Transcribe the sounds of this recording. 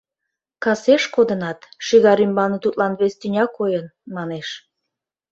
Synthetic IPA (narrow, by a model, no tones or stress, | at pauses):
kɑseʃkod̪ənɑt̪ʃiɣɑɾymbɑnət̪ut̪lɑnβest̪ynʲɑkojənmɑneʃ